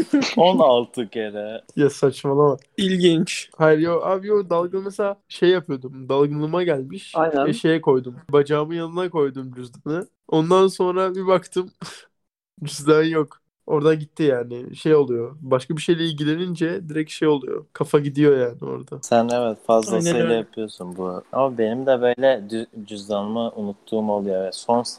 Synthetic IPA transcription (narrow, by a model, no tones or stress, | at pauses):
onalˠt̪ʰɯkeɾɛjasat͡ʃmalˠama | ilʲɟint͡ʃhajɾjoʔaːbijod̪alˠɡɯnmeselʲaːʃe̞jːapʰɯjo̞d̪umd̪alˠɡɯnlˠɯmaɟælʲmiʃajnɛʃe̞jɛko̞jd̪umbad͡ʒaːmɯjanɯnako̞jd̪umd͡ʒyzd̪anɯ | o̞nd̪anso̞nɾabibakt̪ʰɯm | d͡ʒyzd̪ænjo̞k | o̞ɾd̪aɟit̪ʰːijaːnɪʃe̞jo̞lˠujo̞baʃkabiʃe̞jlʲɛilʲɟilʲe̞nind͡ʒɛd̪iɾɛcʃe̞jo̞lˠujo̰kʰafaɟid̪ijo̞jaːnio̞̰ɾd̪asænevɛt̪fazlˠaneɛjapʰɯjo̞sunbua̰mabe̞nimd̪ɛbø̞jlʲɛd̪d͡ʒyzd̪anɯmɯʔunut̪ʰːuːmalˠujovɛso̞ns